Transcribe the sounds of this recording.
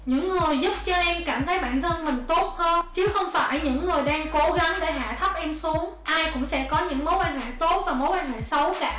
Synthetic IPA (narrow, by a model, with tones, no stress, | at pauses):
ɲɨ̰˧˥ŋːɨ˨˩əjzʊ˦˥p̚t͡ɕɔ˧ʔɛ˧mkaː˧˩mt̪ʰə˨˦jɓa̰ː˧˨nt̪ʰə˧nmï˨˩ŋ̟t̪o˦˥t̚həː˧nt͡ɕɨ˨˦xə˧wŋ͡mfaː˧˩jɲɨ̰˧˥ŋːɨ˨˩əjɗaː˧ŋko˨˦ɣa˨˦ŋɗe˧˩ɦa̰ː˧˨t̪ʰə˦˥p̚ʔɛ˧msu˨˦əŋʔaː˧jkʊ̰˧˥ŋ͡msɛ̰˧˥kɔ˨˦ɲɨ̰˧˥ŋmo˨˦jkwaː˧nɦḛ˧˩˨t̪o˦˥t̚vaː˨˩mo˨˦jkwaː˧nɦḛ˧˨sə˨˦wkaː˧˩